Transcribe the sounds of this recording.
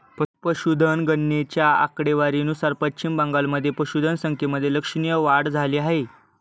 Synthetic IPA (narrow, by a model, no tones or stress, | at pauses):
pəpəɕud̪ʱənɡənːet͡ɕjaa̰kɽeʋaɾinusaɾpətɕimbə̃ŋɡalməd̪ʱːjepəɕud̪ʱənsəŋkʰeməd̪ʱːjeləkʂɳijəʋaɽd͡zʱaliːaɦe